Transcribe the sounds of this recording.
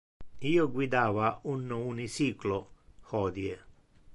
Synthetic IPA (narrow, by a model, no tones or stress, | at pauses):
iːoɡwid̪aːvaunːounisiːkloxɔːd̪je